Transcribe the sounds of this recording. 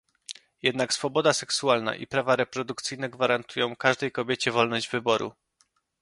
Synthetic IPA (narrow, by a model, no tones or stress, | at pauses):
jɛd̪naksfɔbɔd̪asɛksualna̰ʔḭpɾavaɾɛpɾɔd̪ukt̪sɘjnɛɡvaɾant̪ujɔ̃w̃kaʐd̪ɛjkɔbʲjet͡ɕɛvɔlnɔʑd͡ʑvɘbɔɾṵ